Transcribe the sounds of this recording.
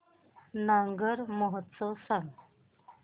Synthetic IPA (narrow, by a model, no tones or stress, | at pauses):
nəŋɡəɾmoɦət̪səsəŋ